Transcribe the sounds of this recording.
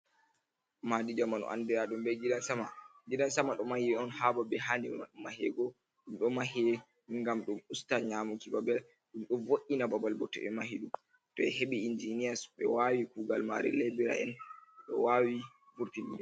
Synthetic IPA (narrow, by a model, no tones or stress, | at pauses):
madid͡ʒamanɔ̰ʔa̰ndɛɾaɗumbɛɡiɗansamaɡiɗansamaɗɔmahiɔnhababɛɦanima̰ɗumahɛ̰ɡɔ | ɗumɗɔmahɛ | ŋɡamɗumustaɲamukibabɛl | ɗumɗɔvoʔinababalbɔtɔ̰ɛmahiɗum | tɔɛɦeɓiind͡ʒiniasɓɛ̰wawikuɡalma̰ɾɛ̰lɛbɛɾa̰ɛ̰nɗɔ̰wawi | vuɾtinḭɛ